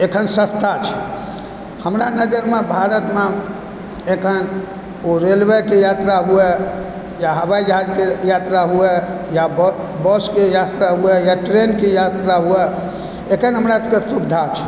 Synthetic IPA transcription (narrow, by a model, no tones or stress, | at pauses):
ekʰənsə̃st̪ʰat͡ʃʰɛ̥ | həmɾanəd͡ʒəɾmebʱaɾət̪me | ekʰən | oɾelʋekejat̪ɾaɦuɛ | jaɦəβajd͡ʒaɦad͡ʒkejat̪ɾaɦuɛ | jab | bɔskejat̪ɾaɦuɛjaʈɾenkejat̪ɾaɦuɛ | ekʰənɦəmɾakesub̚d̪ʱat͡ʃʰɛ̥